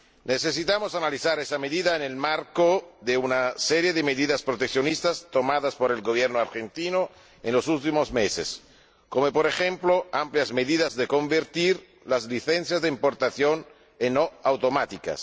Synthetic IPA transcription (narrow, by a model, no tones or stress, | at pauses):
neθes̬it̪amosanaliθaɾesameðiðaenelmaɾkod̪eunaseɾjeðemeðiðaspɾot̪ekθjonist̪ast̪omaðaspoɾelɡoβjɛɾnoaɾxent̪ino | enlosult̪imozmesḛs | komopoɾexemploampljazmeðiðazd̪ekombeɾt̪iɾ | lazliθenθjazd̪eimpoɾt̪aθjon | enːoawt̪omat̪ika̰s